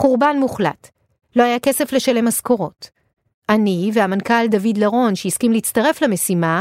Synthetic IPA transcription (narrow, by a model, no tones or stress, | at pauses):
χuʁbanmuχla̰t | lo̞hajake̞se̞fle̞ʃale̞masko̞ʁo̞t | ʔanivehamankald̪avid̪laʁo̞nʃeiskimleit͡st̪ɐʁe̞flame̞sima